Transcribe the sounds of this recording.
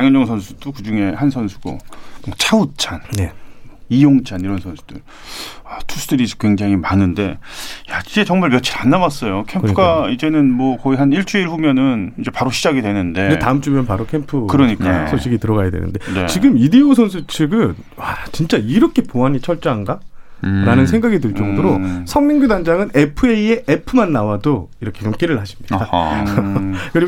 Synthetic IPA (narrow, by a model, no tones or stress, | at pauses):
aŋjʌnd͡ʑʌŋs̬ʰʌnsʰu̥dokɯd͡ʑuŋe̞hansʰʌnsʰu̥ɡ̥o̰ot͡ɕʰaut͡ɕʰanne̞ijoŋt͡ɕʰaniɾʌnsʰʌnsʰu̥d̥ɯ̰ɭ | atʰus͈ʰudɯɾisʰkwe̞ŋd͡ʑaŋimanɯnde̞jaid͡ʑe̞t͡ɕʌŋmaɭmjʌt͡ɕʰiɾanːawas͈ʌjokʰemkʰɯɡaid͡ʑe̞nɯnmwʌkʌiɦaniɭt͡ɕ͈uiɭɸumjʌnɯnind͡ʑe̞paɾoɕʰid͡ʑaɡidwenɯnde̞detaɯmt͡ɕ͈umjʌnpaɾokʰe̞mpʰɯkɯɾʌɲik͈a̰sʰoɕʰiɡitɯɾʌɡajadwe̞̰nɯ̰nde̞ne̞̰t͡ɕiɡɯmidiosʰonsʰut͡ɕʰiɡɯn | wat͡ɕint͡ɕ͈aiɾʌkʰe̞poaɲit͡ɕʰʌɭt͡ɕ͈ʌɦanɡaɾanɯnsʰe̞ŋɡaɡidɯɭt͡ɕ͈ʌŋdoɾosʰʌŋmiŋɡudand͡ʑaŋɯne̞pʰɯeie̞ʔepʰɯmanːawadoiɾʌkʰe̞jʌmk͈iɾɯɭhaɕʰimɲida | kɯɾiɡ